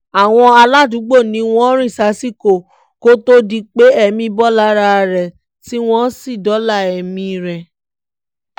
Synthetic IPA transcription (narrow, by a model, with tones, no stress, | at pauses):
a˨w̃ɔ̃˧a˧la˦˨dũ˨˦ɡ͡bo˦˨nĩ˨˧˦w̃ɔ̃˦ɾ̃ĩ˦˨sa˨˦si˦˨ko˨ | ko˦to˦di˧k͡pe˨˦ɛ˦˨mĩ˧bɔ˦la˨˦ɾa˧ɾɛ˨ | ti˦w̃ɔ̃˦si˦˨dɔ˨˦la˦˨ɛ˨mĩ˧˨˧ɾɛ˨